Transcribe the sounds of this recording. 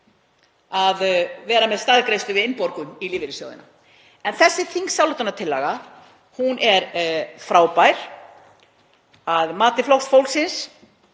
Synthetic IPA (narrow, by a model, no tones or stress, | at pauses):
aðvɛːɾamɛðst̪aðkɾejst̪ʏvɪðɪnpɔɾkʏniliːvɪɾɪsjœ̰ɣðɪ̰nːa̰ | ɛnθɛsːɪθiŋksjawlot̪anat̪ʰɪlːa̰ɣa | hunʔɛɾfɾaːwpajɾ̥ | aðmaːt̪ɪflowxsfowlsɪns